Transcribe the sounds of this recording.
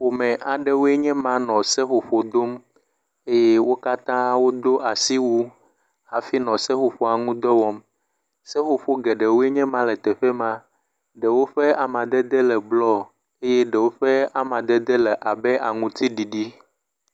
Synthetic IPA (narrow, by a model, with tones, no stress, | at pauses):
wo˨mɛ̃˨ʔa˨ɖɛ˨wo˦e˦ɲɛ̃˦mã˦nɔ̃˨sɛ˦xo˨ɸo˨d̪o˦m | e˦je˦wo˦ka˦t̪ã˦wo˦d̪o˦ʔa˨si˦wu˦ | a˨fi˦nɔ̃˨sɛ˦xo˨ɸo˦a˨ŋũ˦d̪ɔ˦wɔ˦m | sɛ˦xo˨ɸo˦ɡɛ˨ɖɛ˨wo˦e˦ɲɛ̃˦mã˦lɛ˨t̪ɛ˨ɸɛ˦mã˦ | ɖɛ˨wo˦ɸɛ˦a˨mã˨d̪ɛ˦d̪ɛ˦lɛ˨blɔ˦ | e˦jɛ˦ɖɛ˨wo˦ɸɛ˦a˨mã˨d̪ɛ˦d̪ɛ˦lɛ˨ʔa˨bɛ˦ʔa˨ŋũ˨t̪i˦ɖi˨ɖi˦